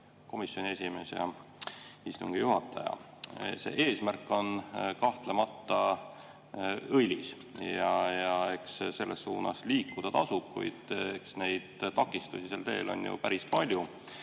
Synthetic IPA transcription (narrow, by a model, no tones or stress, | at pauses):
ko̞misjo̞nʲie̞sʲime̞sjɑ̰ | ist̪uŋɡ̥ijuɦɑt̪ˑːɑjɑ̰ | se̞̰ːʔe̞ːsmærkːˑo̞nkɑht̪lemɑt̪ːˑɑ | ɤjlʲis | jɑjɑe̞ksse̞lːesːuːnɑ̰sliːkːˑud̪̥ɑt̪ɑsub̥̚kṵjd̪̥eksne̞jd̪̥t̪ɑkːˑist̪usiselt̪e̞̰ːlo̞̰njṵpæɾispɑlʲju